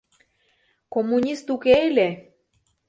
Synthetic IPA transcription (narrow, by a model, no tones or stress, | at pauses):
komunʲist̪ukejle